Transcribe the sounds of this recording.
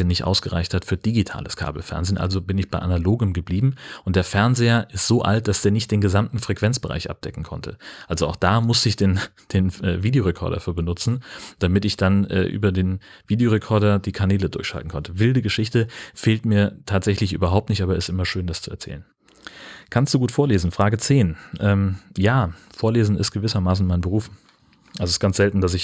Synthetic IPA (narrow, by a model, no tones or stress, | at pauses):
ənɪçtʔa̰ʊsɡ̥əʁa̰ɪçthatfyːɐd̥iɡitʰa̰ːləskʰa̰ːbl̩fɛ̰ɐnzeːnʔa̰lzobɪnɪçb̥aɪʔanaloːɡəmɡəbliːbm̩ʔʊnt̚d̥eːɐfɛɐnzeːɐʔɪstz̥oːʔa̰lt̚d̥asd̥eːɐnɪçt̚d̥eːnɡəzamtn̩fʁ̥ɛkv̥ɛnt͡sb̥əʁa̰ɪçʔa̰p̚d̥ɛkŋ̩kʰɔ̰ntʰə̰ʔalzoaʊxd̥aːmʊstəɪçd̥eːn | d̥eːnɛ̰ːviːdejoʁekʰɔ̰ɐdɐ̰fyːɐbənʊt͡sn̩d̥amɪtɪçd̥anʔɛ̰ːʔy̰ːbɐdeːnv̥iːdeoʁekʰɔɐɾɐdiːkʰanɛːlədʊɐçʃa̰ltn̩kʰɔntʰəvɪldəɡəʃɪçtəfeːltmiːɐtʰaːtz̥ɛçlɪçʔy̰ːbɐɦaʊp̚tnɪçtʔaːbɐɪstʔɪmɐʃøːndast͡suɛɐt͡sɛ̰ːlən | kʰanstd̥uːɡuːtfoːɐleːzn̩fʁ̥aːɡət͡seːnʔɛːmjaːfoːɐleːzn̩ɪ̰stɡ̥əvɪsɐmaːs̬n̩maɪnbəʁ̞uːf | ʔalzoɪsɡ̥ant͡sz̥ɛltn̩das̬ɪç